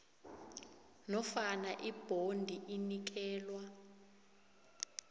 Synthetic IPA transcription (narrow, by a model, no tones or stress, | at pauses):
nɔfanaʔib̥ʱondʱiʔinik̬ɛːlwa